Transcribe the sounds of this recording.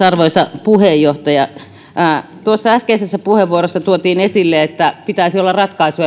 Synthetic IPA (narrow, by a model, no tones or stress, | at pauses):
ɑrʋoisɑpuhejːoht̪ɑjɑ | t̪uosːɑæskeisesːæpuheʋuorosːɑt̪uot̪iːnesilːeet̪ːæpit̪æisiolːɑrrɑt̪kɑisu